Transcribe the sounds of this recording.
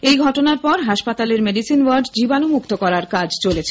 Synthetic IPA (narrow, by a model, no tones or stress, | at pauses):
ejɡʱɔʈonaɾpɔɾɦaʃpat̪aleɾmeɖisinwaɾɖd͡ʑibanomukt̪okɔɾaɾkad͡ʑt͡ɕolet͡ɕʰe